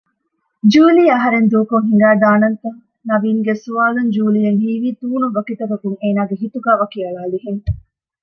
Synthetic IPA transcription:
d͡ʒuːliːɐɦɐɾend̪uːkuŋɦiŋɡæːd̪aːnɐnt̪ɐŋ | nɐʋiːŋɡesuʋaːlɐɲd͡ʒuːlijɐŋhiːʋiːt̪uːnuʋɐkit̪ɐkɐkuŋeːnaːɡeɦit̪uɡæːʋɐkiɐɭaːliɦeŋ

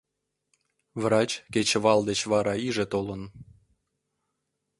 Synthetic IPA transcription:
vrɑt͡ɕket͡ɕeβɑld̪et͡ɕβɑɾɑiʒĕt̪olən

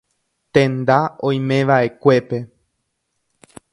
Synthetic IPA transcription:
t̪ẽ̞nd̪aõj̃mẽ̞ʋaʔe̞kʷe̞pe̞

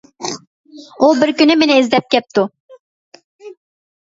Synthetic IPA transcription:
ubɪɾkʲynɪmenɪizlɛp̚kʲɛp̚t̪ʰu

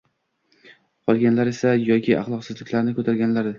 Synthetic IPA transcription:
qʰɒlˠɡʲanlaɾesajɒkʲʰɪʔɑ̰χlˠɒqsɪzlɪkʲlaɾnɪkʰɵt̪ʰaɾɡʲanlaɾɪ

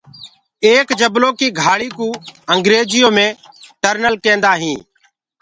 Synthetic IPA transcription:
eːkd͡ʒəbloːkiːɡʱaːɭiːkũːəŋɡɾeːd͡ʒɪjõːmẽː | ʈəɾnəlkẽːnd̪aːɦĩː

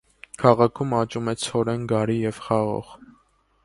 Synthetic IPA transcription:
kʰɑʁɑkʰumɑt͡ʃumɛt͡sʰɔɾɛnɡɑɾijɛv̥χɑʁɔ̰ʁ

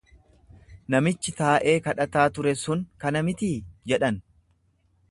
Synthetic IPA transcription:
nɐmɪt͡ʃːɪt̪aːʔe̞ːkɐᶑɐt̪aːt̪ʊɾɛsʊŋkɐnɐmɪt̪iːd͡ʒɛᶑɐn

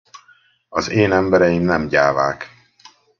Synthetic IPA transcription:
ɒzeːnɛmbɛɾɛjimnɛmɟaːvaːk

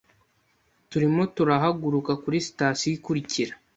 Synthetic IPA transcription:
tuɾimo̞tuɾaɦaɡuɾukakuɾisi̥taːsijikuɾiciɾa

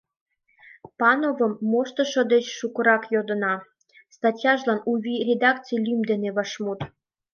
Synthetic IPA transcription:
pɑnovə̆mːoʃt̪ɤ̆ʃɤ̆d̪et͡ɕʃukə̆ɾɑkjod̪ə̆nɑ | st̪ɑtʲjɑʒlɑnuβʲirʲed̪ɑkt͡sɨjlʲymd̪eneβɑʃmut̪

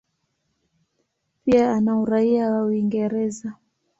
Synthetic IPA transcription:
piaanauɾaiawauwiŋɡɛɾɛza

